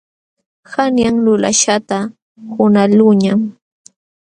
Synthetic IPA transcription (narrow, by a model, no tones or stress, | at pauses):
xanjaŋlʊla̰ʃat̪a | hʊnalʊɲam